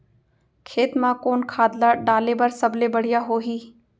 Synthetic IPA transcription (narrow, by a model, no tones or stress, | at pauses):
kʰeːt̪mãkoːnkʰaːd̪laɖaːlebəɾsɐblebɐɽ̤ijaɦoːɦiː